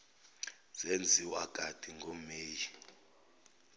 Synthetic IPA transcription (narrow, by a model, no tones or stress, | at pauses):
z̥end͡zʱiwaɡ̥ʱʼad̥ʱʼiŋɡʱomeːji